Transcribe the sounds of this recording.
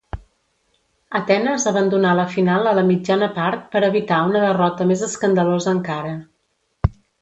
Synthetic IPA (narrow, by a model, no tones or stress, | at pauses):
ət̪ɛnəzəβənd̪unaləfinalˠələmid͡ʒanəpaɾt̪̚pəɾəβit̪aunəðərɔt̪əmezəskənd̪əlozəːŋkaɾə